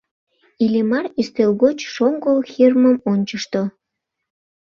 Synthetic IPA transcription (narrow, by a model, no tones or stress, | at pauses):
ilʲemɑryst̪elɣot͡ɕʃoŋɡolxirməmonʲt͡ɕəʃt̪o